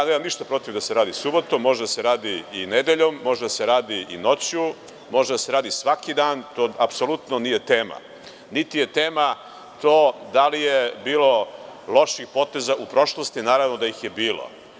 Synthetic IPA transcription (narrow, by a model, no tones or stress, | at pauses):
neːmamniʃt̪apɾo̞t̪ivd̪aseɾaːd̪isubot̪omːo̞ʒed̪ase̞ɾaːd̪iined̪eʎomːo̞ʒed̪ase̞ɾaːd̪iino̞t͡ɕju | mo̞ʒed̪aseɾaːd̪isʋakid̪aːnt̪oːapsolut̪nonije̞t̪eːma̰ | nit̪ije̞t̪eːma | t̪oːd̪alijebiːlˠo̞lˠo̞ʃixpo̞t̪e̞zaupɾo̞ʃlˠost̪inaːɾavnod̪ajixje̞biːlo̰